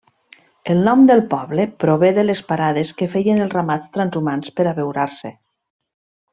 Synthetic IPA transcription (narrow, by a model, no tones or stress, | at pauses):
elˠnɔmd̪əlˠpɔβlepɾoβeðelespaɾaðeskefeʎenelˠramat͡st̪ɾanzumanspəɾaβewɾaɾse